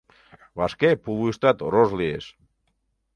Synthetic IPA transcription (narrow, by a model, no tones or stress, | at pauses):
βaskepuβuist̪at̪rozliḛs